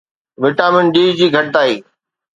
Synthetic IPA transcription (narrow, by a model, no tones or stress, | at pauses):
ʋɪʈaːmɪnɗiːd͡ʑiːɡʱɐʈ̚t̪aːɦiː